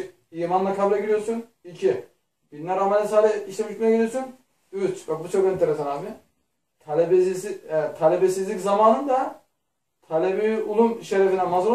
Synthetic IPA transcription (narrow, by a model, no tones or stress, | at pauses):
iːmanlˠakʰablʲɛɟiɾijoɾsun | icʰi | b̥inlʲæɾamanɛsaːlʲɛiʃlʲemiʃmejɛɟiɾʲijosun | yt͡ʃbɛbut͡ʃʰokɛnt̪ʰeɾesanafi | t̪ʰalʲɛbɛsit̪ʰalʲebɛsizlʲiczamaːnɯnd̪a | t̪ʰalʲɛbiulˠumʃeɾɛfinɛmazuɾ